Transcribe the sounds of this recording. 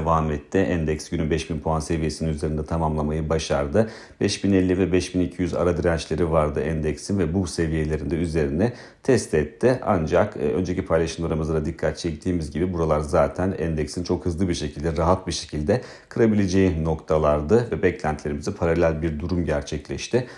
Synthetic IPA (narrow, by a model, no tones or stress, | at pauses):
vaːmɛt̪ʰːiʔænd̪ɛcsɟ̥ynybɛʃbinpʰoanse̞vije̞sininyze̞ɾind̪ɛt̪ʰamamlˠamajɯbaʃaɾd̪ɯ | b̥ɛʃbinelʲːivɛbɛʃbinicʰijyza̰ɾad̪iɾænt͡ʃlʲe̞ɾivaɾd̪ɯʔænd̪ɛcsinvɛbuse̞vije̞lʲe̞ɾind̪ɛyze̞ɾinɛ | t̪ʰɛst̪ʰɛt̪ʰːɪa̰nd͡ʒakːø̞̰nd͡ʒe̞cipʰajlˠaʃɯmd̪oɾamɯzaɾad̪ikʰːat̪̚t͡ʃʰɛc̚t̪ʰiːmizɟibibuɾalˠaɾzaːt̪ʰænɛnd̪ɛksint͡ʃʰo̞khɯzlˠɯbiɾʃe̞cʰilʲd̪ɛɾaɦat̪̚biɾʃe̞̥cʰilʲd̪ɛ | kʰɯɾabilʲe̞d͡ʒejino̞kt̪ʰalˠaɾd̪ɯvɛbɛclʲænt̪ʰlʲe̞ɾimizɛpʰaɾalʲælʲbiɾd̪uɾumɟæɾt͡ʃʰɛclʲɛʃt̪ʰɪ